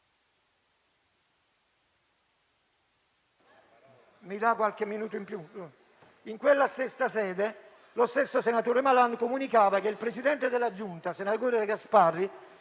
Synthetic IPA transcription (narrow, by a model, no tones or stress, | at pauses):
mid̪akwalkemːinuːt̪oimpju | iŋkwelːast̪esːasɛːd̪e | lost̪esːosenat̪oːɾemalankomunikaːvak̟eilpɾesid̪ɛnt̪ed̪elːad͡ʒunt̪asenaɡoːɾeekasparːi